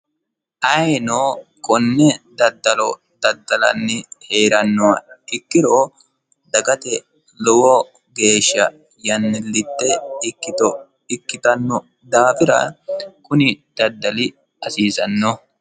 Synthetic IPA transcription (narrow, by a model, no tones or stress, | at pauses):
ʔɐjnoːkʼɔnːɛd̪ɐd̪ːɐlɔ | d̪̥ɐd̪ːɐlɐ̰nːɪhe̞ːɾɐnːɔwɐɪkːɪɾo | d̪ɐɡɐt̪ɛ | lɔwɔ | ɡe̞ːʃːɐ̰ | jɐnːɪlːɪt̪ːɛɪkːɪt̪ɔ | ɪkːɪt̪ɐnːɔ | d̪aːfɪɾɐ̰kʊnɪd̪̥ɐd̪ːɐlɪ | ɐsiːsɐnːɔ